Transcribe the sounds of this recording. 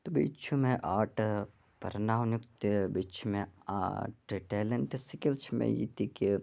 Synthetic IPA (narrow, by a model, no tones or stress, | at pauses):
t̪obḭt͡ʃʰumẽʔaːʈ | pɐ̰ɾnaːʋnjukt̪ebit͡ʃʰumẽa̰ːʈʈeːleɳʈsikilt͡ʃʰmḛ̃jḭt̪iki